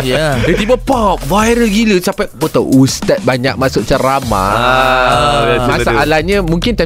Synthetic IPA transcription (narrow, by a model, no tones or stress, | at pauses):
jadət̪ibəpɔp̚vajɾəlɡiləsampabət̪awust̪at̪̚baɲak̚masʊʔ̚t͡ʃəɾama̰ | masaʔalahɲãmũŋkɪnt̪ɛ